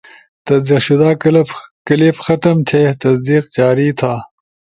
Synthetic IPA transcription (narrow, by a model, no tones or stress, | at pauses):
t̪ɐsd̪iqɕud̪aːkɐlɐpkɐlepxɐt̪ɐmt̪ʰet̪ɐsd̪iːqt͡ɕaːɾiːt̪ʰaː